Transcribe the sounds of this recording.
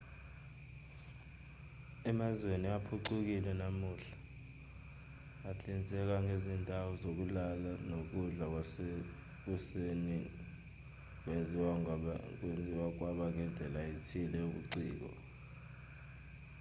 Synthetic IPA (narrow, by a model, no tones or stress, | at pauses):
ɛmazweniapʰuǀuk̬ilɛnamuɬḁ | at͡ɬʼint͡sʼɛk̬aŋʱezindʱawɔzok̬ulalanok̬uɮa | k̬useni | k̬ʼwe | k̬ʼwend͡zʱiwak̬waɓaŋʱɛnd͡ɮʱɛlaitʰilɛuk̬ṵǀḭːk̬ɔ̰